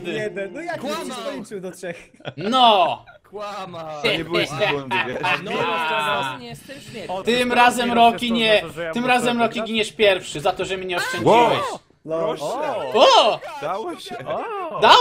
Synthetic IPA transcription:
ɛd̪ | ɔʂɛx | nɔ | ɲɛ | t̪ɪmɾazɛmɾɔkʲiɲɛt̪ɨmɾazɛmɾɔkʲiɡʲiɲɛʃpʲjɛɾfʂɨzat̪ɔʒɛmɨɲɛɔʃt͡ʃɛ̃ɲd͡ʑiwɛʃ | ɔd̪a | d̪a

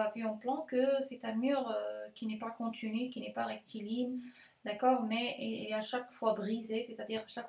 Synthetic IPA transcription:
avyɑ̃plɑ̃kəsɛt̪ɛ̃myʁøkʲinɛpakɔ̃t̪inykʲinɛpaʁɛk̚t̪ʰilin | d̪akɔːʁmɛɛaʃakfwabʁizeset̪ad̪iʁaʃak

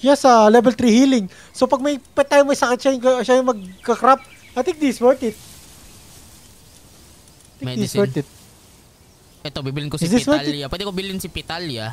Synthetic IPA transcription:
jasɐlɛbɛlt̪ɾihiːlɪŋ | sopɐɡ̚mɐjpɛt̪aːjomɐjsɐkɪt̪̚ʃajʊŋkɐʃajʊŋmɐɡ̚kɐkɾap̚ | ʔajt̪ɪ̃ŋk̚d̪ɪɪswɛɹt̪ɪt̪̚ | ajt̪ɪ̃ŋiswɛɹt̪ɪt̪̚ | ʔɛt̪obibilɪŋkossd̪ɪswlɪapwɛd̪ɛkobilɪnsipit̪alja

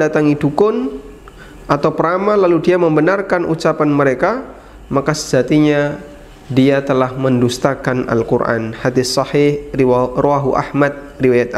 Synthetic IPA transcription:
dat̪aŋidukʊn | ʔat̪awpəɾamalaludiaməmbənarkanʔṵt͡ʃapanməɾeka | makasə̥d͡ʒat̪iɲa | diat̪əlahməndust̪akana̰lkṵrʔa̰nhadɪθsɑhɪhroaɦuʔa̰hmat̪̚ | riwajat̪̚a

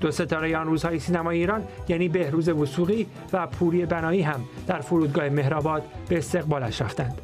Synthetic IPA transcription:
d̪̥o̞se̞t̪ʰɒːɾejeɒnruːzhɒːjesiːnæmɒːjeiːɾɒːnjæːniːbe̞hɾuːze̞vusuːɣiː | væpʰuːɾie̞bænɒːiːɦæmd̪̥æɾfoɾuːd̪ɡɒːheme̞hɾɒːbɒːd̪̥beːst̪e̞ɣbɒːlæʃɾæft̪ænd̪̥

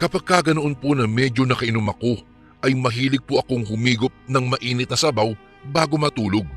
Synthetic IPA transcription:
kɐpaɡ̚kːaɡɐnoʔonponɐmɛd͡ʒo̞nɐkɐɪnʊmɐko̞ | ʔɐjmɐɦiːlɪɡ̚poʔɐkoŋhʊmiːɡop̚nɐŋmɐʔiːnɪt̪̚nɐsɐbaw | baːɡo̞mɐt̪uːlo̞ɡ̚

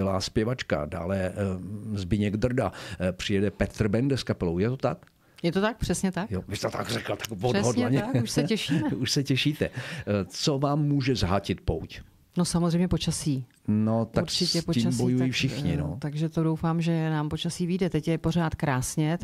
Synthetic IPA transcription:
ɪla̰ːspjɛvat͡ʃka̰da̰ːlɛ | zbɪɲɛɡd̪r̩dapr̥ɪjɛdɛpɛt̪r̩bɛndɛskapɛlowjɛt̪ot̪ak | jɛt̪ot̪ak̚pr̥ɛsɲɛt̪akjovɪst̪ɛt̪a̰ɡrɛkl̩t̪ḁkvodsɦodɲɛɛɲɛkuʃsɛcɛʃiːmɛuʃsɛcɛʃiːt̪ɛt͡sovaːmːuːʒɛzaɦacɪt̪̚po̰wc | nosamozrejmɲɛpot͡ʃasiː | not̪akɾt͡ʃɪcɛpoiːmbojujifʃɪxɲɪ̰not̪aɡʒɛt̪odowfaːmʒɛnaːmpo̞t͡ʃasiːvidɛt̪ɛcjɛporaːt̪kɾaːsɲɛ

